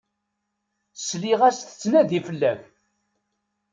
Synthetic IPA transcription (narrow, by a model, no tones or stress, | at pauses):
sliʁæsθə̥t͡sːnæðifəlːæç